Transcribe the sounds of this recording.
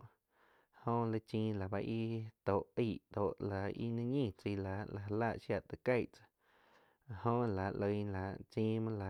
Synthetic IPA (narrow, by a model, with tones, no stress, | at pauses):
hõ˦lə˧t͡ʃĩː˧˦la˨ba˧ʔi˦t̪o˨ʔi˦˨ʔt̪o˨ʔla˨ḭ˦nĩ˦ɲĩ˦˧˨t͡si˧la˨la˨ɦa˧la˦˨ʔʃja˧˨t̪ə˨ka˦˧jʔt͡sḁ˧˨ | hõ˦ʔla˨lə˧jla˨ʔt͡ʃĩː˦mɨ̃˦la˨